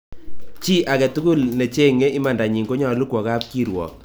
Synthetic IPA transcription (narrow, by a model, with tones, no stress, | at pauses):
t͡ʃi˦ʔa˨kɛ˨tu˦ku˦lne˨t͡ʃe˦ŋe˦ʔɪ˦ma˨nda˨ɲi˨ŋɡo˦ɲɔ˨lu˦kwɔ˨ka˦p̚ki˦ɾwɔ̰˨k̚